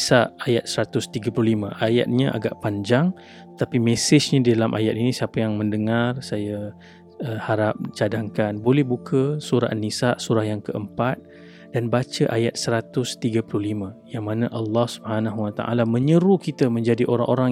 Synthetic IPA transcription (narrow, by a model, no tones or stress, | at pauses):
saʔajat̪̚səɾat̪ʊst̪iɡapluhlimã̰ʔaja̰t̪̚ɲãʔa̰ɡaʔpaɲd͡ʒaŋ | t̪ət̪apimɛsɪsɲadidalamʔa̰jat̪̚inĩsiapajaŋməndəŋarsaja | əhaɾap̚t͡ʃadaŋkanbolɛhbukʰəsuɾa̰ʔnisaʔsuɾahjaŋkəʔəmpat̪̚ | d̥anbat͡ʃəʔajat̪̚səɾat̪ʊst̪iɡapluhlimãjaŋmanaʔalːɑhsu̥bhanãɦuwat̪a̰ʔa̰lamə̃ɲəɾukit̪əmə̃ɲd͡ʒadiʔoɾa̰ŋʔo̰ɾaŋ